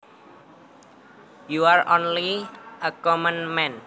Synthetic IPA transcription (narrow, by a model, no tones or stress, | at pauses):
juaɹo̰nliəkɔmə̃nmɛ̃n